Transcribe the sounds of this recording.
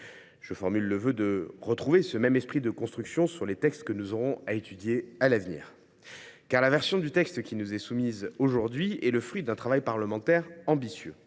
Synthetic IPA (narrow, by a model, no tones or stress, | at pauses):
ʒ̥əfɔʁmylːəvød̪əʁət̪χuvesəmɛmɛspχid̪əkɔ̃st̪χyksjɔ̃syʁlet̪ɛkst̪kənuzoʁɔ̃aet̪yd̪jealavnḭːʁ | kaʁlavɛʁsjɔ̃d̪yt̪ɛkst̪kʲinuzɛsumizoʒuʁd̪ɥiɛləfχɥid̪ɛ̃t̪χavajpaʁləmɑ̃t̪ɛʁɑ̃bisjø̰